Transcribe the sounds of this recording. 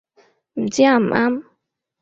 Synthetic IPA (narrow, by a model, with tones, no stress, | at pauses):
m̩˨t͡si˦a˦˨m̩˨ʔa˦m